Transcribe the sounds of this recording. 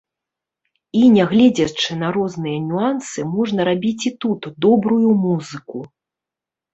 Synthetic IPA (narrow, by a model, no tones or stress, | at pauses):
inʲɛɣlʲɛd͡zʲɐt͡ʂɨnɐɾɔznɨjɐnʲuansɨmɔʐnɐɾabʲit͡sʲit̪ut̪d̪ɔbɾujumuzɨku